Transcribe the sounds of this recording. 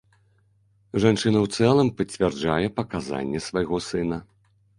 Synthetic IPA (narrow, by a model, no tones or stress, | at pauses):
ʐant͡ʂɨnɐwt̪sɛlˠɐmpɐt͡sʲvʲɛrd͡ʐajɛpɐkaza̰nʲːɛsvajɣɔsɨnɐ